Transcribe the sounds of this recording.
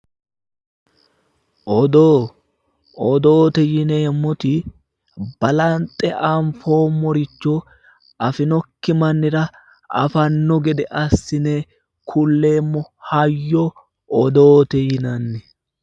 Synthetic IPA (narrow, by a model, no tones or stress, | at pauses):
ʔɔd̪oː | ɔd̪oːt̪ɛjɪneːmːɔt̪ɪ | b̥ɐlɐnt̪ʼːɛʔɐɱfo̞ːmːɔɾɪt͡ʃːo | ʔɐfɪnɔkːɪmɐnːɪɾɐ | ɐ̰fɐnːɔɡɛd̪ɛʔɐsːɪneː | kʰʊlːe̞ːmːɔhɐjːɔ | ɔd̪oːt̪ɛjɪnɐnːɛ